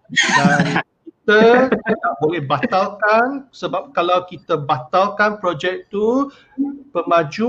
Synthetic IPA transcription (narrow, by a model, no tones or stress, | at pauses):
dankit̪ət̪ənaʔ̚bolɛhbat̪alkansəbap̚kalawkit̪əbat̪alkanpɾod͡ʒɛk̚t̪u | pəmãd͡ʒu